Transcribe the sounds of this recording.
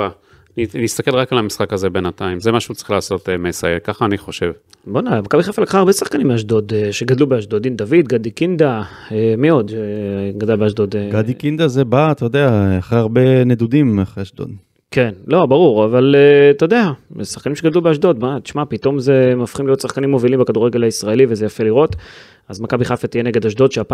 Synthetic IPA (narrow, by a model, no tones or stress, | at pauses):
a | ninist̪ake̞lʁakalamisχakhazebenat̪aimzemaʃut͡sʁiχlaːso̞t̪emesaekaχaːniχo̞ʃe̞v | bonmakabiχafalkχaːʁbe̞sḁχkanimeaʃd̪o̞d̪eʃe̞ɡad̪lubeaʃd̪o̞d̪imd̪avit̪ɡad̪ikind̪a | emio̞d̪ʃeɡadalbeaʃd̪o̞d̪eɡad̪ikind̪azebat̪ajod̪eaaχʁeaʁbened̪ud̪imaχʁeaʃd̪o̰d̪ | ke̞nlo̞baʁuʁavalet̪o̞d̪e̞asḁχkanimʃeɡadlubeaʃd̪o̞d̪bat̪i̥ʃmapit̪o̞mze̞mafχimlijot̪saχkanimːo̞vilimbekad̪uʁeɡe̞laisʁaelivezejafe̞liʁo̞t̪ | azmakabiχafat̪ijeneɡe̞d̪aʃd̪o̞d̪ʃeapa